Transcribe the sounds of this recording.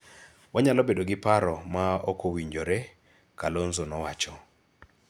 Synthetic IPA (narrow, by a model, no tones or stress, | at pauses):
waɲalɔbedoɡɪpaɾɔmaokowiɲd͡ʒoɾe | kalonzonɔwat͡ʃɔ